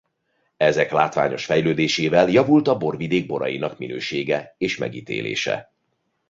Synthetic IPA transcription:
ɛzɛklaːt̪ʋa̰ːɲo̞ʃfɛjløːd̪eːʃeːvɛljɒvult̪ɒbo̞rvid̪eːɡ̚bo̞ɾɒ̰jinɒkminø̰ːʃeːɡɛeːʃmɛ̰ɡiːt̪ḛːlʔḛːʃɛ̰

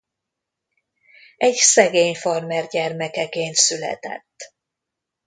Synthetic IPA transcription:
ɛɟsɛɡeːɲfɒrmɛrɟɛrmɛkɛkeːnt̪sylɛ̰t̪ɛ̰t̪ː

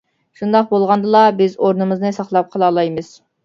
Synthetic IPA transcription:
ʃund̪ɑq̚bolˠʁɑnd̪ɨlˠɑbɪzoɾnɨmɨznɨsɑχlˠɑp̚qʰəlˠɑːlˠɑjmɨz̥

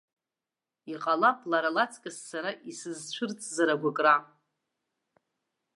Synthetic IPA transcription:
iqʼalapʼlaɾalat͡sʰʼkʼɨsːaɾaʔisɨzt͡ɕʷʰʊrt͡sʼzaɾaɡʷakʼra

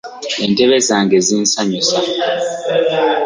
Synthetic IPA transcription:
eːnteβezaːŋɡeziːnsaɲusa

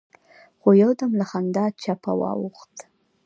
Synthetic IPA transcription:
xojawd̪amlaxand̪ɑt͡ʃapa̰wɑ̰wuxt̪

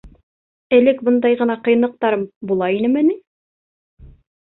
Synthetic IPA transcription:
ɘ̆lɘkbɤ̆nd̪ɑjʁɤ̆nɑqɤ̆j̆nɤ̆q̚t̪ɑɾɤmbulˠɑinɘmɘ̆ni

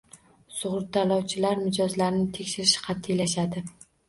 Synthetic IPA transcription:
sʊʁɾt̪alˠɒwt͡ʃʰɪlaɾmɪd͡ʒɒzlaɾnɪt̪ʰekʲʃɪɾɪʃɪ̥qʰɑt̪ʰːɪlaʃad̪ɪ

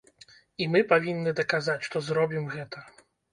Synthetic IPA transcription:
imɨpavʲinːɨd̪ɐkazat͡sʲʂt̪ɔzɾɔbʲimɣɛt̪ɐ

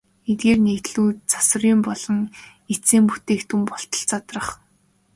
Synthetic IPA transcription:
et̪̚ɡeːrnekt̪ɮuːt̪̚t͡sḁsə̆riːmpɔɮɞ̆ŋ | et͡seːmpu̥t̪eːkt̪ʰumpɔɬt̪ɞ̥̆ɬt͡sʰat̪rə̆χ

